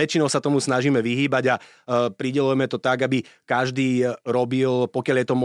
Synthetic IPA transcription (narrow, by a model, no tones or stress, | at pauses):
ɛt͡ʃinɔʊsat̪ɔmusnaʒiːmɛʋiɦiːbaɟa | pɾiɟɛlujɛmɛt̪ɔt̪aɡabikaʒd̪iːɾɔbilpɔkɪaljɛt̪ɔmɔ